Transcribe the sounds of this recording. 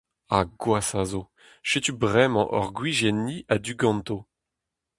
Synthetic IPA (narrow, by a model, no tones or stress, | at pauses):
aɡwasazo | ʃet̪ybʁɛmɑ̰̃ʔɔ̰ʁɡwiʒɛniʔad̪yɡɑ̃nt̪o